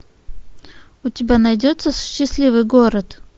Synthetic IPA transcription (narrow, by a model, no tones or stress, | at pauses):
ʊtʲɪbʲanɐjdʲo̞t̪səsʊ̥ɕːɪsʲlʲivɨjɡo̞ɾət̪